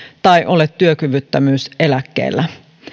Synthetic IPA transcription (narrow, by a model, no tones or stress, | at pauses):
t̪ɑjʔo̞let̪ːyøkyʋyt̪ːæmyːse̞lækːḛːlːæ